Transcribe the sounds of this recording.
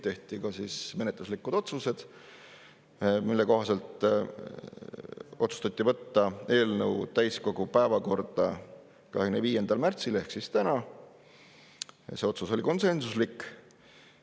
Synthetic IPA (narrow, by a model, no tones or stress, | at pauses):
t̪e̞ht̪ikɑsisme̞net̪luslikːˑud̪̥o̞t̪suse̞d̪̥ | milːe̞ko̞ɦɑse̞lt̪ˑ | o̞t̪su̥st̪ɑt̪ʲˑːivɤt̪ːɑe̞ːlnɤwt̪æjsko̞ɡ̥upæevɑko̞rd̪̥ɑ | kɑ̰ɦekymneviːje̞nd̪̥ɑlmært̪sile̞hksist̪ænɑ | seo̞t̪suso̞lʲiko̞nse̞nsuslikː